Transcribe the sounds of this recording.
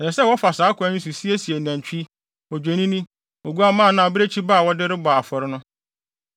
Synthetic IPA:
ɛ˨ɛ˨sɛ˦wɔ˦fa˨saː˨˦kʰʊ˨˦a˦nĩ˦s̬u˨si˦e˦si˨e˨næ̃˨n˨t͡ɕᶣi˦ | ɔ˨d͡ʑᶣe˨nĩ˦nĩ˦ | o˨ɡu˦a˦mãː˦˨nã˨bɪ˦ɾe˦t͡ɕʰi˦ba˦˨wɔ˦dɪ˦ɾɪ˦ba˨a˨fɔ˨ɾɪ˦nʊ̃˦

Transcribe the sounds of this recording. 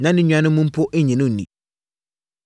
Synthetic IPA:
nã˦nɪ̃˦ɲũ˦ã˦nɪ̃˦mũ˦m̩˦pʰʊ˦ʔe˦ɲɛ̃˨nʊ̃˦˨nḭ̃˨

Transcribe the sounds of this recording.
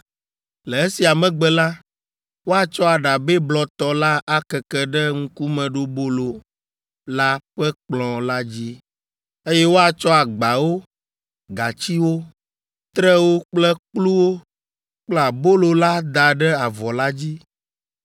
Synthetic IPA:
lɛ˨e˦si˨a˨mɛ̃˨ɡ͡bɛ˦la˦ | wo˦a˨t͡ʃɔ˦a˨ɖa˨bɛ˦blɔ˨t̪ɔ˨la˦ʔa˦kɛ˨kɛ˦ɖɛ˦ŋ̩̃˦ku˦mɛ̃˨ɖo˦bo˦lo˨ | la˦ɸɛ˦k͡plɔ̃˨la˦d͡ʑi˦ | e˦jɛ˦wo˦a˨t͡ʃɔ˦a˨ɡ͡ba˨wo˦ | ɡa˨t͡ɕi˦wo˦ | t̪ɾɛ˦wo˦k͡plɛ˦k͡plu˦wo˦ | k͡pla˨bo˦lo˨la˦d̪a˨ɖɛ˦a˨vɔ˨la˦d͡ʑi˦

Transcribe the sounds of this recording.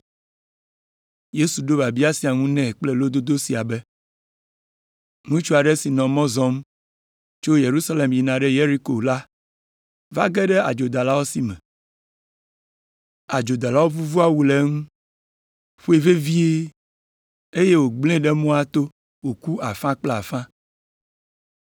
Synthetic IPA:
je˦su˨ɖo˦ba˨bi˦a˦si˨a˨ŋũ˦nɛ̃˦˨k͡ple˦lo˦d̪o˦d̪o˦si˨a˨bɛ˦ | ŋũ˦t͡ʃu˦a˨ɖɛ˦si˨nɔ̃˨mɔ̃˦zɔ̃˦m | t͡ʃo˦je˨ɾu˦sa˦le˨mji˨nã˨ɖɛ˦je˦ɾi˦ko˨la˦ | va̰˦ɡɛ˦ɖɛ˦a̰˨d͡ʒo˨d̪a˨la˦wo˦si˨mɛ̃˨ | a˨d͡ʒo˨d̪a˨la˦wo˦vu˦vu˦a˦˨wu˦le˦ŋũ˦ | ɸu˦e˦˨ve˦vi˦e˦ | e˦je˦wo˨ɡ͡blẽ˦ɖe˦mõ˦a˦t̪o˦ | wo˨ku˦a˨fã˦k͡ple˦a˨fã˦

